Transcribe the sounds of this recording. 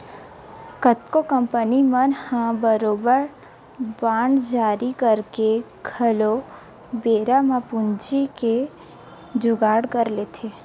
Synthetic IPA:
kət̪kokəmpənimənhãbəɾoːbəɾ | baːɳɖd͡ʒaːɾikəɾke | ɡʱəlo | beːɾamãpʊnd͡ʒike | d͡ʒʊɡaːɽkəɾlet̪ʰe

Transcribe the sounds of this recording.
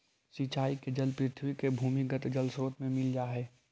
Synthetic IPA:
sit͡ʃaːiked͡ʒəlpɾɪt̪ʰwikebʱuːmiɡət̪d͡ʒəlsɾoːt̪mẽmɪld͡ʒaːɦɛː

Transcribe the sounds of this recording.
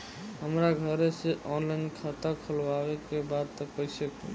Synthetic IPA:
ɦəmɾaɡʱəɾeseʔɔnlaɪnkʰat̪akʰəlabekebad̪̚t̪ɔkəisəkḭ

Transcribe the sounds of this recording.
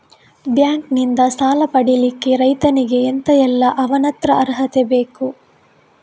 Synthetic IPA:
bjaːŋknind̪ɐsaːlɐpɐɽilikːe̞ɾɐjt̪ɐniɡe̞ːnt̪ɐjɛlːɐʔɐʋɐnɐt̪ɾɐɐɾɦɐt̪ebeːku

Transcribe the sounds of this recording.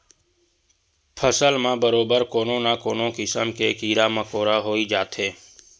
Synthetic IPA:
pʰəsəlmãːbəɾoːbəɾkoːnõːnaːkoːnõːkɪsəmkeːkiːɾaːmãːkoːɾaːɦoːiːd͡ʒaːt̪ɦeː

